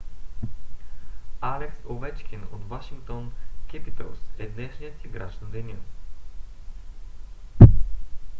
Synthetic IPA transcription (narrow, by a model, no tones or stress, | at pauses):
alɛksovɛt͡ʃkʲino̰t̪vaʃiŋkt̪onkʲɛpit̪ə̰lˠsɛd̪nɛʃnijət̪iɡɾa̰t͡ʃnəd̪ɛnʲə